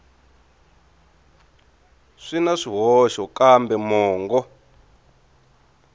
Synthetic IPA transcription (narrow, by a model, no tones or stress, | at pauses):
ʂinaʂiɦɔʃɔkambɛmɔːŋɡɔ